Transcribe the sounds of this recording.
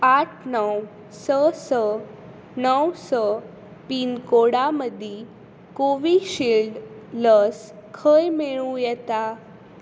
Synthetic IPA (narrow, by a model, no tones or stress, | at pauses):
aʈʰnəw | səsə | nəwsə | piːnkoɽaməd̪ʱi | koʋiɕilɖləskʰəjmeɭũjɛt̪a